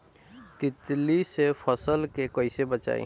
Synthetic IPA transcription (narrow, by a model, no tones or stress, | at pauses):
t̪ɪt̪lisepʰəsəlkekɔisebət͡ʃa̰ːḭ